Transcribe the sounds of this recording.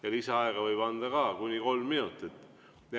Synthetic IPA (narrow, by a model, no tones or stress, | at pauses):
jɑliseɑeɡ̥ɑvɤjb̥ɑnd̪̥ɑkɑːkunʲiko̞lmːinut̪ːˑet̪ːˑ